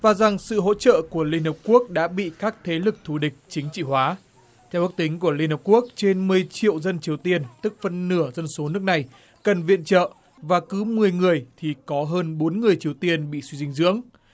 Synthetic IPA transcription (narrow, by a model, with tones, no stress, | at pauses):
vaː˨˩za˨˩ŋsɨ̰˧˨ɦo̰˧˥t͡ɕə̰ː˧˨ku˧˩əli˧ənhp̚ku˦˥ək̚ɗa̰ː˧˥ɓḭ˧˨kaː˦˥k̚t̪ʰe˨˦lɨ˨˩k̚t̪ʰu˧˩ɗï˨˩k̟̚t͡ɕï˨˦ŋ̟t͡ɕḭ˧˨hwaː˨˦ | t̪ʰɛ˧wɓk̚t̪ï˨˦ŋ̟ku˧˩əli˧ənhə˨˩p̚ku˦˥ək̚t͡ɕe˧nmɨ˨˩əjt͡ɕḭ˧˨əwzə˧nt͡ɕi˨˩əwt̪i˧ənt̪ɨ˦˥k̚fə˧nːɨ˧˩əzə˧nso˨˦nɨ˦˥ək̚na˨˩j | kə˨˩nvḭ˧˨ənt͡ɕə̰ː˧˨ | vaː˨˩kɨ˨˦mɨ˨˩əjŋɨ˨˩əjt̪ʰi˨˩kɔ˨˦ɦəː˧nɓo˨˦nŋɨ˨˩əjt͡ɕi˨˩əwt̪i˧ənɓḭ˧˨swi˧zï˧ŋ̟zɨ̰˧˥əŋ